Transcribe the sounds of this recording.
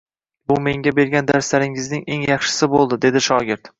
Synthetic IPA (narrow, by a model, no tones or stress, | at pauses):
bʊme̞ŋɡʲabe̞ɾɡʲand̪aɾslaɾɪŋɪznɪŋe̞ŋjɑχʃɪ̥sɪbolˠd̪ɪd̪e̞d̪ɪʃɒɡʲɪɾt̪